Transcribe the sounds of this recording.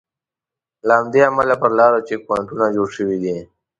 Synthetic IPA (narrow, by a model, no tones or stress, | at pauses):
laɦamd̪eamalapəɾlɑːɾot͡ʃekwaɳʈunad͡ʒoːɽʃəwid̪i